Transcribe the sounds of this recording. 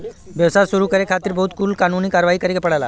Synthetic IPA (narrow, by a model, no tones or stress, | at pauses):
ʋjəʋsasuɾukəɾekʰat̪iːɾbəɦut̪kʰuːlkanuniːkaɾʋaiːkəɾekepəɽajla̰